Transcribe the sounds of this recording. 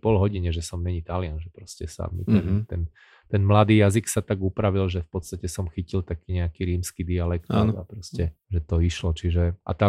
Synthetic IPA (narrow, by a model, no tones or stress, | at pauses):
pɔlɦɔɟiɲɛʒɛsɔmːɛɲit̪alɪanʒɛpɾɔscɛsa̰mḭt̪ɛmt̪ɛn | t̪ɛnmlad̪iːjaziksat̪aɡupɾaʋilʒɛfpɔt̪st̪acɛsɔmxicilt̪akiːɲɛakiɾiːmskid̪ialɛkt̪ːna̰pɾɔscɛʒɛt̪ɔiʃlɔt͡ʃiʒɛʔa̰t̪a